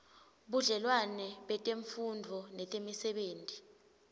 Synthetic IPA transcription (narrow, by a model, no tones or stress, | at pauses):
ɓuɮɛlwanɛɓɛtʼeɱfundʱɔnɛtʼemisɛɓeːntʼi̥